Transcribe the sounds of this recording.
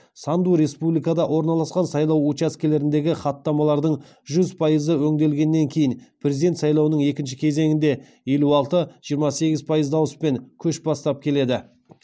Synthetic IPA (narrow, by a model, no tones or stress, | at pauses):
sɑnd̪uɾe̞spublijkɑd̪ɑwo̞ɾnɑlˠɑsqɑnsɑjlˠɑwut͡ʃaskʲele̞ɾɪnd̪e̞ɡʲɪχɑt̪ːɑmɑlˠɑɾd̪əɴ | ʒʏzpʰɑjəzəwɵŋd̪e̞lɡʲe̞nːe̞ŋkʲʰe̞jɪnpʰrʲe̞zid̪et̪sɑjlˠɑwənəɴe̞kʲɪnʃ̬ɪkʲʰe̞ze̞ŋɪnd̪e̞ | je̞luɑlˠt̪əʒ̥ijəɾmɑse̞ɡʲɪzpʰɑjəzd̪ɑwəspe̞ŋkʲʰɵʃbɑst̪ɑp̚kʲʰe̞le̞d̪ɪ